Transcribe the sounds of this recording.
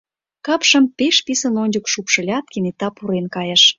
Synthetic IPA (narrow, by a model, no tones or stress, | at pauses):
kɑpʃə̆mpeʃpisə̆nonʲd͡ʑukʃupʃə̆lʲɑt̪̚kʲenet̪ːɑpuɾenkɑjə̆ʃ